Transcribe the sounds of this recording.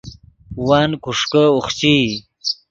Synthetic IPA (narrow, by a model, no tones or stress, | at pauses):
waːnkuʂkəuχt͡ɕi